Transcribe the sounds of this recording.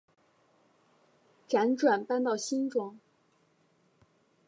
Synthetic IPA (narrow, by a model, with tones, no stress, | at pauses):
ʈ͡ʂa˧˥nʈ͡ʂwa˨˩npa˥˧nt̪ɑ˥˩ʊɕi˥nʈ͡ʂʊ˥ŋ